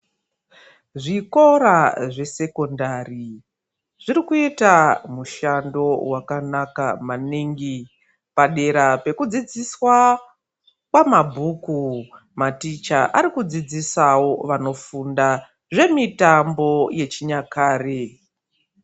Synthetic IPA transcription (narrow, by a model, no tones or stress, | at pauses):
ʐiko̞ɾaʐe̞se̞ko̞ndari | ʐ̥iɾikuitamuʃando̞wakanaka̰maniŋɡi | paɗe̞ɾape̞kud͡zid͡ziswa | kwamabʱuːku | matit͡ʃaʔaɾikud͡zid͡zisawo̞ʋano̞funda | ʐe̞mitambo̞je̞t͡ʃiɲakaːre